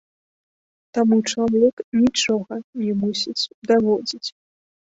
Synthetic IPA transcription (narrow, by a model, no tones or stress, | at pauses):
t̪amut͡ʂamlʲɛknʲit͡ʂɔɣɐnʲɛmusʲit͡sʲd̪avɔd͡zʲit͡sʲ